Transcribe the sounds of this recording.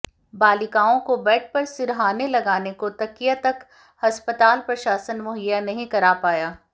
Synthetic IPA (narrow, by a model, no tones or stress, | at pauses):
baːlɪkaːõkobɛːʈ̚ʰpɐɾsɪɾɦaːnelɐɡaːnekot̪ɐkijat̪ɐk | hɐspət̪aːlpɾɐʃaːsənmʊɦəjːanɐɦĩkɐɾaːpaːjaː